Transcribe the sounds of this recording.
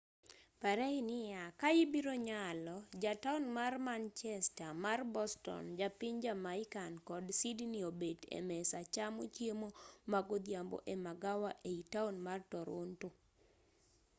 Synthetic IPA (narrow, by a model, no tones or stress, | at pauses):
paɾɛɪnɪjakajɪbiɾoɲalɔd͡ʒataunmarmant͡ʃɛstamarbɔstɔ̰nd͡ʒapɪɲd͡ʒamaɪkankɔdsidniobedḛmɛsat͡ʃamot͡ʃjemomaɡod̪jambo̰ʔemaɡawaʔeitaunmartɔɾo̰nto